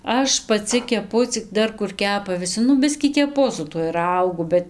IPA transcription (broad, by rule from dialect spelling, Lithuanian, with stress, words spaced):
ˈɐʃ pɐˈt͡sʲɪ kʲɛˈpʊ t͡sʲɪk ˈdɐr kʊr ˈkʲæːpɐ ʋʲɪˈsʲɪ ˈnʊ ˈbʲɪsʲkʲiː kʲɛˈpʊ sʊ tuɔj ˈrɐʊɡʊ ˈbʲɛt